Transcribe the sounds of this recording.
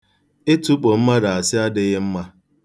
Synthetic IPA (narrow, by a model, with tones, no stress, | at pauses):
ɪ˦tu˦k͡po˨m̩˦ma˦da˨a˨sɪ˦a˦dɪ˦ɣɪ˦m̩˦ma˦